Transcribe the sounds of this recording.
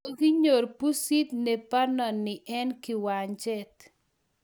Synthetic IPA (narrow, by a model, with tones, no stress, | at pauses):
o˨ɡi˦ɲo˨rpu˦si˦t̪ne˨pa˦nɔ˨nːɪ˨ʔɛ˦nkɪ˨wa˨ɲt͡ʃɛ˦t̪